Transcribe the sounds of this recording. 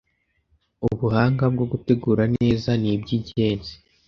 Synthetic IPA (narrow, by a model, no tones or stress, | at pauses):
uβuhaːŋɡab̚ɡo̞ɡute̞ɡuːɾane̞ːzanibɟiɟe̞ːnzi̥